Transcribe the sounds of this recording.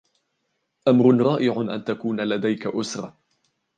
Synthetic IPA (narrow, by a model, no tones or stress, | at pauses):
ʔamɾʊnɾˤɑːʔɪʕʊʔa̰nt̪akuːnalad̪ajkaʔʊsɾˤɑ̰